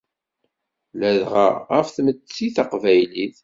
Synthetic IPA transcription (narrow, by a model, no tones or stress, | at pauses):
læðʁa̰æfθmət͡sːiθaqvæjliθ